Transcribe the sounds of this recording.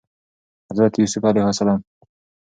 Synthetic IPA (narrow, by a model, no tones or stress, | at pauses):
hazɾat̪jusʊfalajhwasalaːm